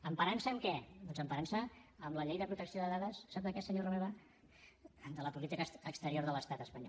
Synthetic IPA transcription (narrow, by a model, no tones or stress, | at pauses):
əmpəɾansəmkɛd̪ɔnzəmpəɾansəːmləʎejðəpɾut̪əksioðəðaðəsːabd̪əkɛsəɲoroβeβa | d̪ələpulit̪ikəəkst̪əɾioɾðələst̪at̪əspəɲɔ̰